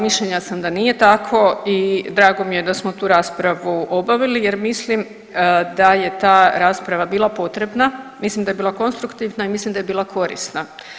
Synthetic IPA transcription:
miʃʎeɲasamd̪anije̞t̪akʰo̞id̪ɾaːɡo̞mije̞d̪asmot̪uːɾaːspɾaʋuʔobaʋilijeɾmislim | d̪aje̞t̪aːɾaːspɾaʋabiːlˠapo̞t̪ɾe̞bnamislimd̪aje̞biːlako̞nst̪ɾukt̪iʋnaimislimd̪aje̞biːlˠakʰo̞ɾḭsna

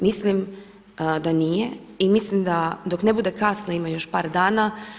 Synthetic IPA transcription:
mislim | d̪anije | imislimd̪ad̪oknebud̪e̞kasnoimajo̞ʃpaːɾd̪aːna

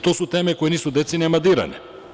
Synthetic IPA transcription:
t̪ɔsut̪ɛmɛkɔjɛnisud̪ɛt̪sinɛmad̪iɾa̰nḭ

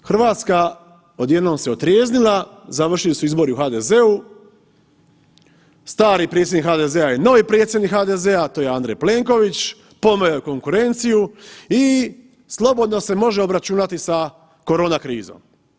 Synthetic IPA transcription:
xr̩ʋaːt̪ska | o̞d̪je̞d̪noːmse̞ot̪ɾjeːznilˠazaʋr̩ʃilisuizbo̞ɾiuxaːd̪e̞ze̞u | st̪aːɾipɾʲet̪sʲenikhaːd̪e̞zeajeno̞ʋipɾet̪sjed̪nikxaːd̪ezeat̪oːjeaːnd̪ɾejple̞ŋko̞ʋit͡ɕ | po̞mojoko̞ŋkuɾe̞nt̪sijui | slˠo̞bo̞d̪no̞se̞mo̞ʒe̞obɾat͡ɕuːnat̪isa | ko̞ɾo̞ːnakɾiːzo̰m

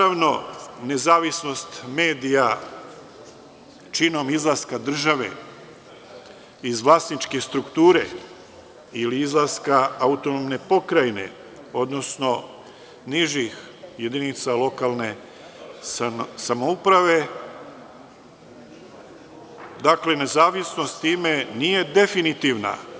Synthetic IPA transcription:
aʋno̞ne̞zaːʋisno̞st̪me̞ːd̪ija | t͡ʃino̞mizlˠaskad̪r̩ʒaʋe̞̰ | izʋlˠaːst̪nit͡ʃkest̪ɾukt̪uːɾe̞̰ | iliizlˠaskaaut̪o̞nomne̞po̞kɾajne̞̰ | o̞d̪no̞sno̞ | niʒix | je̞d̪init̪salo̞kalne̞ | samoupɾaʋe̞ | d̪akle̞ne̞zaːʋisno̞st̪t̪ːiːme̞nije̞d̪e̞finit̪iʋna̰

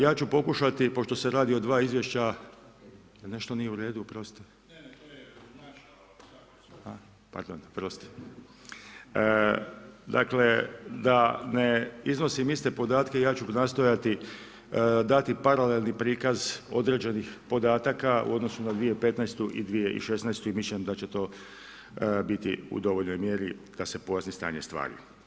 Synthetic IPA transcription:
jaːt͡ɕupo̞kuʃat̪ipo̞ʃt̪o̞seɾaːd̪io̞d̪ʋaːizʋje̞ʃt͡ɕa | jne̞ʃt̪onijeuɾe̞ːd̪upɾost̪e | ha | pa̰ɾd̪o̰npɾost̪e̥ | d̪a̰kle̞d̪aneizno̞simist̪e̞po̞d̪aːt̪ke̞ijaːt͡ʃunast̪o̞jat̪i | d̪at̪ipaɾale̞lnipɾiːkazo̞d̪ɾe̞ːd͡ʑenixpo̞d̪aːt̪akaṵo̞d̪no̞sunad̪ʋijepe̞t̪najst̪uʔḭd̪ʋije̞ʔḭʃe̞snajst̪uimisʎʲemd̪at͡ɕe̞t̪o̞ː | bit̪iṵd̪o̞ʋoʎno̞jmje̞ɾid̪̥ase̞po̞jasnist̪a̰ːɲest̪ʋa̰ːɾḭ

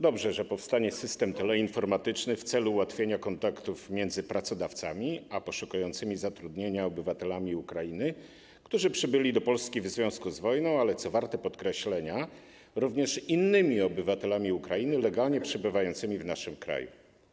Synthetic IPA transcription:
d̪ɔbʐɛʐɛpɔfst̪aɲɛsɘst̪ɛmt̪ɛlɛinfɔɾmat̪ɘt͡ʂnɘft̪sɛluːwat̪fʲjeɲakɔnt̪akt̪ufmʲjɛnd̪zɘpɾat̪sɔd̪aft̪samʲiapɔʂukujɔnt̪sɘmʲizat̪ɾud̪ɲeɲaɔbɘvat̪ɛlamʲiukɾajinɘ | kt̪uʐɘpʂɘbɘlʲid̪ɔpɔlskʲivzvʲjɔ̃w̃skuzvɔjnɔ̃w̃alɛt̪sɔvaɾt̪ɛpɔt̪kɾɛɕlɛɲa | ɾuvɲɛʂinːɘmʲiɔbɘvat̪ɛlamʲiukɾajinɘlɛɡalɲɛpʂɘbɘvajɔnt̪sɘmʲivnaʂɘmkɾa̰jṵ

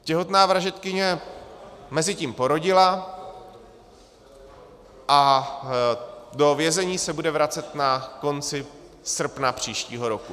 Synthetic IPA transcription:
cɛɦo̞t̪naːvɾaʒɛt̪kɪɲɛ | mɛzɪciːmpo̞ɾo̞ɟɪla | ʔa | dovjɛzɛɲiːsɛbudɛvɾat͡sɛt̪nako̞nt͡sɪ | sr̩pnapr̝̥iːʃciːɦo̞ɾo̞ku

